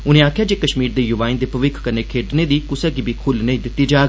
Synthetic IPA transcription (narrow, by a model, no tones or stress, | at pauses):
ʊnẽːaːkʰɪjaːd͡ʒeːkəʃmiːɾd̪eːjʊʋaːĩnd̪eːpəʋɪkʰkəneːkʰeːʈneːd̪iːkʊsaːɡiːbʱiːkʰʊlnəĩːd̪ɪt̪ːiːd͡ʒaːɡ